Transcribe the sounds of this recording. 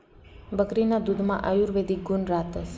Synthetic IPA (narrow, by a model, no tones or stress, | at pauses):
bəkɾinad̪ud̪ʱmã̰ʔajuɾʋed̪ʱiɡunɾat̪əs